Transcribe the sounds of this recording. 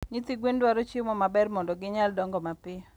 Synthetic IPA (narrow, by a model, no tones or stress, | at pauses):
ɲit̪iɡwendwaɾɔt͡ʃimɔmabɛrmɔndɔɡɪɲaldɔŋɡɔmapɪ